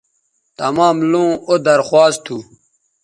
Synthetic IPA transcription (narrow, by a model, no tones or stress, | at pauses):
t̪ɐmaːmlõːod̪ɐɾxwaːst̪ʰu